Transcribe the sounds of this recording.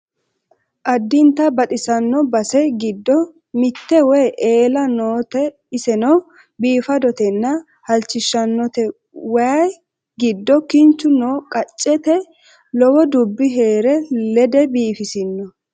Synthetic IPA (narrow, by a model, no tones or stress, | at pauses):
ʔɐd̪ːɪnt̪ɐbɐt̪ʼɪsɐnːɔbɐsɛɡɪd̪ːɔ | mɪt̪ːɛwɛjʔeːlɐnoːt̪ɛ | ɪsɛnɔ | biːfɐd̪ɔt̪ɛnːɐ | hɐlt͡ʃːɪʃːɐnːɔt̪ɛ | wɐj | ɡɪd̪ːɔkɪnt͡ʃːʊnoːkʼɐt͡ʃʼːɛt̪ɛ | lɔwɔd̪ʊbːɪɦeːɾɛlɛd̪ɛbiːfɪsɪnːɔ